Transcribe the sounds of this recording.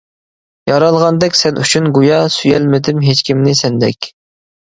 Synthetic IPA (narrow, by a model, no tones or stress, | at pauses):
jɑɾɑlˠʁɑnd̪ɛkʲsɛnʔyt͡ʃʰynɡujɑsyjɛlmɪd̪ɪmɦet͡ʃkʲimnɪsɛnd̪ɛkʲ